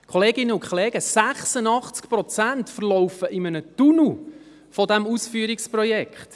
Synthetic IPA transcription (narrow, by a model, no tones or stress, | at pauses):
kʰχɔleːɡɪnːəʊkʰχoleːɡ̥əsæχsənɑχt͡skpɾɔt͡sæntfərlɔʊfəʔɪmənət̪unu | fɔd̪æmusfyəɾiksprɔjɛkχt